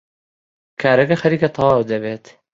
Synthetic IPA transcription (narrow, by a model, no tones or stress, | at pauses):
kʰaːɾɐkɐxɐɾiːkɐt̪ˤʰɑwɑːwd̪ɐbeːt̪